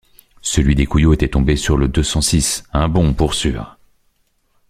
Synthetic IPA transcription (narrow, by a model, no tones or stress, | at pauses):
səlɥid̪ekujoet̪ɛt̪ɔ̃besyʁləd̪øsɑ̃sisɛ̃bɔ̃puʁsyːʁ